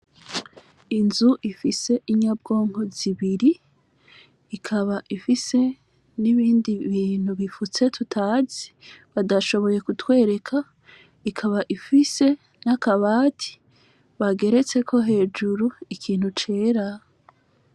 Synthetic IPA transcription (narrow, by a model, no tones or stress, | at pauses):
inzuʔifise̞ʔiɲab̚ɡo̞ːŋho̞ziβiɾi | kʰaβaʔifise̞ | niβiːndiβiːn̥huβifut͡se̞tʰutʰaːzi̥βadaʃo̞βo̞je̞kutwe̞ːɾe̞kʰa | ikʰaβaʔifise̞ | nakaβaːtʰi̥ | βaɡe̞ɾe̞t͡se̞kʰo̞ɦe̞ːd͡ʒuɾuikʰiːn̥hut͡ʃe̞ːɾa